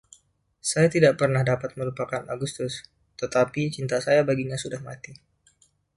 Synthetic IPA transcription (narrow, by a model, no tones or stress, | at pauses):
sajat̪idaʔpərnahdapat̪̚məɾupakanaɡust̪ʊs | t̪ət̪apit͡ʃint̪asajabaɡiɲasudahmat̪i